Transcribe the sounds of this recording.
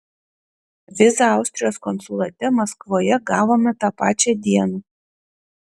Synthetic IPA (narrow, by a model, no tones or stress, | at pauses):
ʋʲɪsɐɑˑʊsʲt̪ʲɾʲɪjoːskɔnsʊlˠɐt̪ʲɛmɐskʋoːjɛɡɑːʋoːmʲɛt̪ɑːpɑːt͡ʃʲɛd̪ʲiɛnuː